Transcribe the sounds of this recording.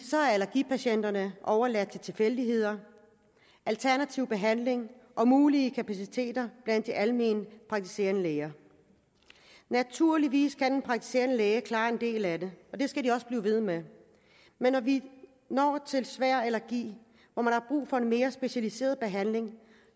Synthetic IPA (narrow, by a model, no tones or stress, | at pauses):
sɒ̽æɐelæɐɡ̥ḭːpʰæɕen̰d̥ɐnəʔɒʊɐlæd̥̚t͡sʰe̝t͡sʰe̝lfel̰d̥iɦe̝ð̞̰ˠɐ | ʔælt͡sʰæɐnæt͡sʰiʊb̥e̝ɦæn̰le̝ŋʔɒ̽muːliəkʰæpʰæsit͡sʰe̝̰ːd̥ɐb̥læn̰d̥ːiʔælme̝̰ːnəpʰʁɑ̈ɡ̚t͡sʰi̥se̝̰ːɐnəleːɐ | næt͡sʰuɐ̰liʋḭːskʰæd̥enpʰʁɑ̈ɡ̥̚t͡sʰi̥se̝̰ːɐnəleːɐkʰlɑ̈ːe̝nd̥e̝̰ːlædeɒ̽d̥e̝sɡ̥ædiɒ̽sb̥liːʋe̝ð̞̩ˠme | menːɒʋi | nɒ̰ːt͡sʰe̝lsʋæɐ̰elɐɡ̥ḭː | ʋɒmænhɑ̈b̥ʁṵːfɒ̽e̝nme̝ːɐsb̥e̝ɕælise̝̰ːɐðˠb̥e̝ɦæn̰le̝ŋ